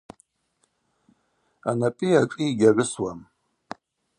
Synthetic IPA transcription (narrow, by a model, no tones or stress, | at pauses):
a̰napʼiaʈ͡ʂʼiːɡʲaʕʷʊswam